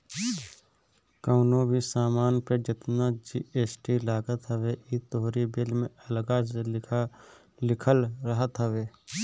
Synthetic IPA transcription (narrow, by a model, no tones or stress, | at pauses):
kəʊnobʱisaːmaːnpɾed͡ʒɪt̪nad͡ʒiːeːsʈilaːɡət̪ɦəʋeʔit̪oɦɾibɪlmẽəlɡaselɪ | lɪkʰəlɾəɦət̪ɦəʋeː